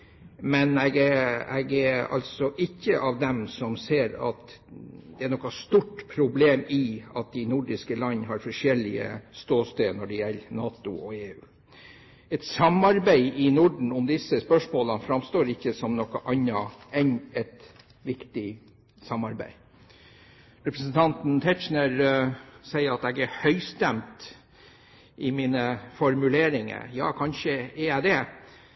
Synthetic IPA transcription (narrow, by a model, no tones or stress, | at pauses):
mɛnɛɡɛɛ̰ɡɛɑ̰lsɔʔɪkːəʔɑʋd̪ɛmsɔmseːɾɑ̰t̪ | d̪ɛæɳɔkːɑst̪uʈːpʰɾʊbleːmɪɑt̪̚d̪ænʊɖɪskəlɑnːɦɑɾfɔʂɛlɪə̰st̪oːst̪eːnɔɖɛjɛlːnɑːt̪ʊ̰ɔeːʉ̰ː | ɛt̪sɑmɑɾbæɪʔɪnʊɖɳ̩ʊmd̪ɪsəspœʂmoːlənfɾɑmst̪oːɾɪçːəsɔmnɔkːəʔɑnːɑɛnɛt̪ | ʋɪkt̪ɪ | sɑmɑɾbæ̰ɪ | ɾɛpɾəsnt̪ʰɑnt̪nt̪ʰɛt͡ʃnəɾ | sæɪəɾɑt̪ɛɡæhœʏst̪ɛmt̪ | ʔɪmiːnəfɔɾmʉleːɾɪŋə̰jɑ̰ːkʰɑnʂəɛjæɪd̪ɛ